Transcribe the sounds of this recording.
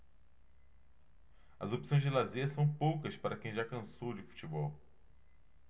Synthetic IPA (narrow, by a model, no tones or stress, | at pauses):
ɐ̰zopi̥sõj̃zd͡ʒɪlazeɐsɐ̃w̃powkɐspaɾɐkẽj̃ʒakɐ̃sowd͡ʒɪfu̥t͡ʃibɔw